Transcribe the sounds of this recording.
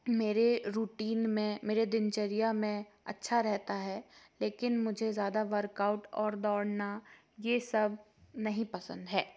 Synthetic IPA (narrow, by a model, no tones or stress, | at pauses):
meːɾeɾuːʈiːnmẽmeːɾed̪ɪnt͡ʃəɾijamẽ | ɐ̰tːʃʰaɾɛɦt̪aɦɛːleːkɪnmʊd͡ʒʱezjaːd̪aʋɐɾkaːʊʈɔːɾd̪ɔːɽna | jesɐb̚ | nɐɦĩpɐsə̃nd̪ɦɛː